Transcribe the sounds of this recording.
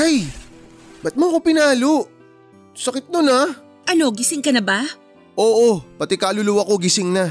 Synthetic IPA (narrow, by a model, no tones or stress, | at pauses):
aj | bɐt̪̚mokopɪnaːloʔ | sɐkɪt̪̚nona | ʔɐno̞ɡɪsɪŋkɐnɐba | ʔo̞ːʔopɐt̪ɛkaːlʊlʊwako̞ɡɪsɪŋna